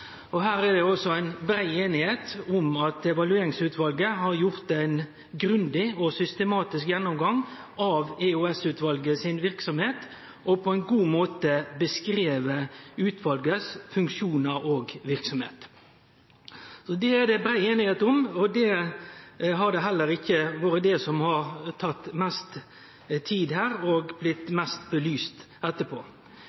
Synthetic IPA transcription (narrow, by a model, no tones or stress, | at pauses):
ɔɦæːɾɛɖ̪ɛɔsɔæɪnbɾæɪeːnɪheːt̪ʊmɑt̪ɛʋɑlʉeːɾɪŋsʉːt̪ʰʋɑlɡəɦɑɾjʊɾt̪æɪn | ɡɾʉnd̪ɪɔsʏst̪ɛmɑːt̪ɪskjɛnːɔmɡɑŋ | ɑʋɛʉɛsʉːt̪ʋɑlɡəsɪnʋɪɾksɔmheːt̪ | ʔɔpʰɔæɪnɡuːmoːt̪əbəskɾeːʋəʉːt̪ʰʋɑlɡəsfʉŋkʃuːnəɾoːɡʋɪɾksɔmhḛːt̪ | sɔd̪ɛæd̪ɛbɾæɪeːnɪheːt̪ɔmɔd̪ɛ | ɦɑɾd̪ɛɦɛlːəɾɪçːəʋoːɾəd̪ɛsɔmhɑɾt̪ʰɑt̪ːmɛst̪ | t̪ʰiːd̪ɦæːɾɔɡblɪt̪mɛst̪̚bəlyːst̪ | ɛt̪ːəpʰo̰ː